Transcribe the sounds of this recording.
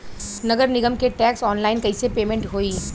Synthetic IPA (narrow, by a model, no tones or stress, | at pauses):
nɐɡəɾnɪɡəmkeʈɛːksɔːnlaːɪnkɐɪsepeːmẽɳʈɦoːiː